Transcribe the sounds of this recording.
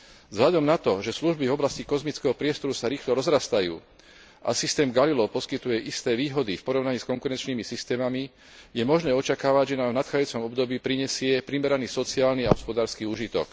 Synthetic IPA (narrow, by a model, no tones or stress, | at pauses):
zɦlad̪ɔmnat̪ɔʒɛsluʒbivɔblascikɔzmit͡skɛɦɔpɾɪɛst̪ɔɾusaɾiːxlɔɾɔzɾast̪ajṵː | ʔa̰sist̪ɛːmɡalilɔʊpɔskit̪ujɛʔist̪ɛːʋiːɦɔd̪ifpɔɾɔʊnaɲiːskɔŋkuɾɛnt͡ʃniːmisist̪ɛːmami | jɛmɔʒnɛːɔt͡ʃakaːʋaɟʒɛnaːmvnat̪xaːd͡zajuːt͡sɔmɔbd̪ɔbiːpɾiɲɛsɪɛpɾimɛɾaniːsɔt͡siaːlnia̰ɦɔspɔd̪aːɾskiːuːʒit̪ɔ̰k